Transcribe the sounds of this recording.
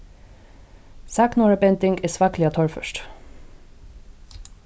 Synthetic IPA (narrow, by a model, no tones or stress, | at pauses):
sɑːknɔːɹabɛnt̪ɪŋɡeːsʋɑːklɪoːt̪ʰɔɹfœ̰ʃʈ